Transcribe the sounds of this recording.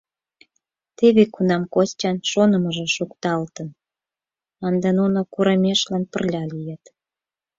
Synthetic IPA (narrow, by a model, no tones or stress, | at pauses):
t̪eβekunɑmkost͡ɕɑnʃonə̆məʒĕʃukt̪ɑlt̪ən | ɑnd̪ɑnunokuɾɑmʲeʃlɑnpə̰̆rlʲɑlijet̪